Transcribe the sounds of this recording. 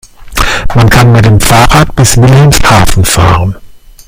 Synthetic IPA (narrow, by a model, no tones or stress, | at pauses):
mankʰanmɪt̚deːmfaːʁaːt̚b̥ɪsvɪlhɛmshaːfn̩fa̰ːʁən